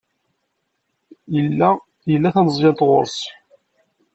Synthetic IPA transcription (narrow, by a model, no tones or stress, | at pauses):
jəlːæ | jəlːæθænəzˤjɑnt̪ʁo̰ɾˤsˤ